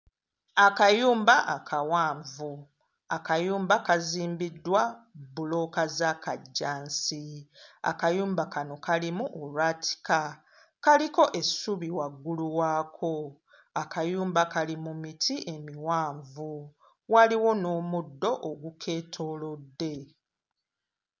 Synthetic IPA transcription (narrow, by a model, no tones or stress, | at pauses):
akajuːmbaʔakʰawaːɱvu | akajuːmbakaziːmbidːwabulo̞ːkazakaɟːaːnsia̰kajuːmbakano̞kalimuʔolwaːtʰi̥ka | kaliko̞ʔe̞suβiwaɡːuluwaːkʰo̞ | akajuːmbakalimumitʰiʔe̞miwaːɱvu | waliwo̞no̞ːmudːo̞ʔoɡukʰe̞ːtʰo̞ːlo̞dːe̞